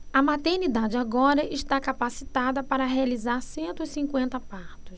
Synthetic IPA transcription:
ɐmat̪eɾnid̪ad͡ʒɪaɡɔɾɐʔɪʃt̪akapasit̪ad̪ɐpaɾɐɦealizaɾsẽnt̪ʊisĩŋkwẽnt̪ɐpaɾt̪ʊs

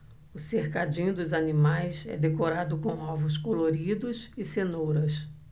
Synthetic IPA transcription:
ʊseɾkad͡ʒĩɲʊd̪ʊzanimajsɛ̰d̪ekoɾad̪ʊkõw̃ɔwvʊs̬koloɾid̪ʊsɪsenowɾɐs

